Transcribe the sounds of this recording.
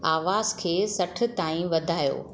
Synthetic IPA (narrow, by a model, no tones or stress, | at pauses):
aːʋaːzkʰeːsɐʈʰɪ̆t̪aːĩʋɐd̪ʱaːjo̰ː